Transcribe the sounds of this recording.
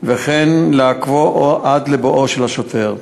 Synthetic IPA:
veχenleakvoʔoʔad̪leboʔoʃelaʃot̪eʁ

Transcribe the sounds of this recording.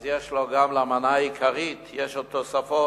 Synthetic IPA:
zjeʃloɡamlamanaikʰaʁit̪jeʃot̪osafo

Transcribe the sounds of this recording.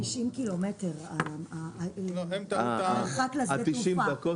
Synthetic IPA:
iʃimkilometeʁaa | emt̪aχaklazaet̪iʃuimdd̪ako

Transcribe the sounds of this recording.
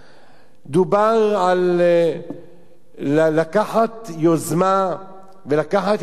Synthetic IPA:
d̪ubaʁʕal | akaħat̪jozma | velakaħat̪

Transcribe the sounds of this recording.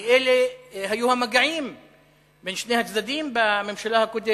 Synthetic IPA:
eleɦajuhamaɡaʕim | benʃnehat͡sd̪ad̪imbamemʃalahakod̪e

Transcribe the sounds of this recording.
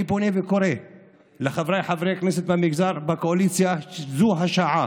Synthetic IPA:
iponevekoɾe | leχavɾajħavɾekneset̪amiɡzaɾbakoalit͡sjazuɦaʃaʕa

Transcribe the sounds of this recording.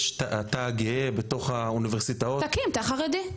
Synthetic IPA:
ʃtaataɡeebeto̞χauniveʁsitaotakimt̪aχaʁed̪i

